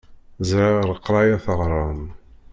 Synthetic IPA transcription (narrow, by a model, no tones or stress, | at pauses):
zɾaʁəɾəqːɾˤɑjaθəʁɾˤɑn